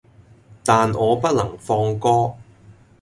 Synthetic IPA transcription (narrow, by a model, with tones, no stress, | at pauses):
t̪aː˨nʔɔː˨˧pɐ˥t̚lɐ˨˩ŋfɔː˧ŋkɔː˥